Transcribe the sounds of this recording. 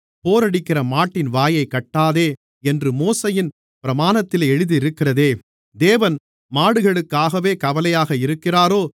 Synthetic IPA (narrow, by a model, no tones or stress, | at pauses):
poːɾɐɽɪkːɪrɐmaːʈːɪnʋaːjɐɪkːɐʈːaːðeː | ɛndrɯmoːsɐjɪn | pɪɾɐmaːnɐt̪ːɪleːɛɻɯðɯɪɾɯkːɪrɐðeː | d̪eːʋɐn | maːɽɯɣɐɭɯkːaːɣɐʋeːkɐʋɐlɐjaːɣɐɪɾɯkːɪraːɾoː